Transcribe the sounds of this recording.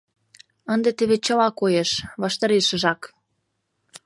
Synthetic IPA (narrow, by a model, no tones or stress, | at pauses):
ənd̪et̪eβet͡ɕə̆lɑkojeʃβɑʃt̪ɑɾeʃə̆ʒɑk